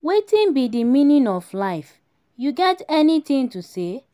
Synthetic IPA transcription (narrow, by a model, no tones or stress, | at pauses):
wetĩnbidimĩnĩnɔflaɪf | juɡɛtɛnitĩŋtuse